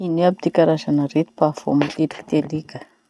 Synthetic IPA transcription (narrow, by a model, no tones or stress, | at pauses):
iniabid̪ikaɾazanəret̪u̥pafo̰mat̪ed̪i̥ki̥t̪ed̪ikə̥